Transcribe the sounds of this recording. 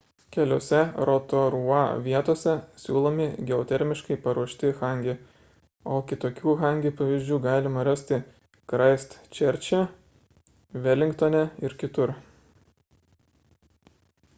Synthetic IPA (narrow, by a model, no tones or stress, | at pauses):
kʲɛlʲoːsʲɛɾoːt̪oːɾuɑːʋʲiɛt̪oːsʲɛsʲuːlˠomʲɪɡʲɛɔt̪ʲɛɾʲmʲɪʃkɐɪpɐɾuɔʃʲt̪ʲɪxɐˑŋʲɡʲe | oːkʲɪt̪oːkʲuːxɑˑŋʲɡʲupɐʋʲiːzʲd͡ʒʲuːɡɑːlʲɪmɐɾɐsʲt̪ʲɪ | kɾɐɪst̪t͡ʃʲɛɾʲt͡ʃʲɛ | ʋʲɛlʲɪŋkt̪oːnʲɛɪɾkʲɪt̪ʊɾ